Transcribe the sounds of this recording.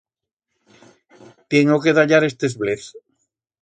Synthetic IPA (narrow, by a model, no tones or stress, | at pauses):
t̪jeŋokeðaʎaɾest̪ezβleθ